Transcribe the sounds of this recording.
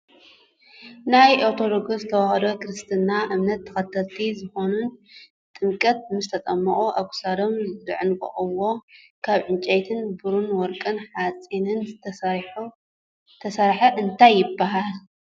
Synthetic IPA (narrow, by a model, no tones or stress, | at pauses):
najʔoɾt̪ʰo̞d̪oɡozɨt̪ʰɐβahɾokɨɾɨst̪ʰɨnːaʔɨmnɐt̪ʰːɐ̥xɐt̪ʰːɐlt̪ʰizɨxo̞nun | t̪ʼɨmkʼɐt̪̚mɨst̪ʰɐt̪ʼɐmːɐχʼuʔaβkʰu̥sad̪omzɨ̰ʕɨnkʼɐ̰χʼɨwo̞ | kʰaβʕɨnt͡ʃʼɐjt̪ʰɨnbɨɾunwɔɾkʼɐnħat͡sʼinɨn | t̪ʰɐsaɾħɐʔɨnt̪ʰajːɪbːaɦal